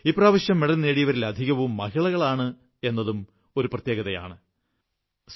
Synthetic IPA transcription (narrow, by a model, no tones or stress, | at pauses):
iːpːraːʋɐɕjɐmːeɽɐnːeːɽijɐʋɐɾilɐd̪ʱiɣɐʋumːɐɦiɭɐɣɐɭaːɳɨ | e̞nːɐðum | oɾuprɐt̪jeːɣɐðɐja̰ːɳɨ | s